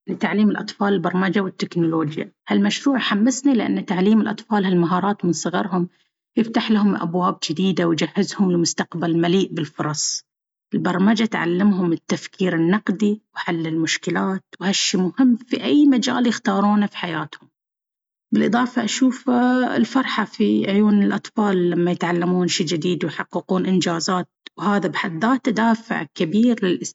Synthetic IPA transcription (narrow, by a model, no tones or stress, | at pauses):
lɪt̪aʕliːmɪlʔɑt̪ˤfɑːlɪlbɑɾˤmad͡ʒawɪt̪ːɪknʊloːd͡ʒja̰halmaʃɾuːʕħamːasnilɪʔa̰nːt̪aʕliːmɪlʔɑ̰t̪ˤfɑːlhalmaɦɑːɾˤɑːt̪mɪnsˤɨɣɑɾhʊm | jɪft̪aħlaɦʊmʔa̰bwaːb̚d͡ʒɪd̪iːd̪awd͡ʒahːɪzhʊmlmʊst̪aqbalmaliːʔbɪlfʊɾˤɑsˤ | ʔɪlbɑɾˤmad͡ʒat̪ʕa̰lːɪmɦʊmɪt̪ːafkʰiːɾɪnːɑqd̪iwħalːɪlmʊʃkɪlaːt̪̚whaʃːiːmʊhɪmːfiʔajːmad͡ʒa̰ːljɪxt̪ɑːɾˤuːnafi̥ħajaːt̪hʊm | bɪlʔɨðˤɑːfɑʔaʃuːfɪ̰lfɑɾˤħɑfiʕʊjuːnɪlʔɑt̪ˤfɑːlːamːajɪt̪ʕalːamuːnʃiːd͡ʒɪd̪iːd̪wjħɑqːɨquːnʔɪnd͡ʒaːzaːt̪̚whaːðabħad̪ːaːt̪ːad̪aːfɪ̰ʕkabiːɾlɪlʔ